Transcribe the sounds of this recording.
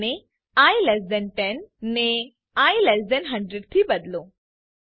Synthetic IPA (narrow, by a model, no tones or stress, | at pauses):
ne | ajlɛsdɛnʈɛnːe | ajlɛsdɛnɦəɳɖɾeɖt̪ʰiːbəd̪lo